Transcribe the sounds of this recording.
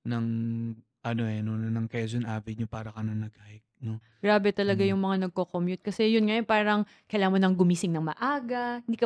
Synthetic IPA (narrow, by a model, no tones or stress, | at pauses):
nɐŋ | ʔɐnoʔɛnonɐnɐŋkɛzonʔavɪɲopaːɾɐkɐnɐnɐɡaːhɪk̚no | ɡ̥ɾaːbɛt̪ɐlɐɡajʊŋmɐŋanɐɡ̚kokomjʊt̪̚kɐsɛjʊnŋɐjonpaːɾɐŋ | kɐjlaːmɐnɐŋɡʊmiːsɪŋnɐŋmɐ̰ʔaːɡɐɪnd̪iːkɐ